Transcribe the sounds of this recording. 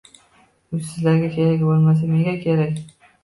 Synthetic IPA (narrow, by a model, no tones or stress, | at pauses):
ʊsɪzlaɾɡʲakʲʰe̞ɾakʲbolˠmas̬ameɡʲakʲʰe̞ɾakʲ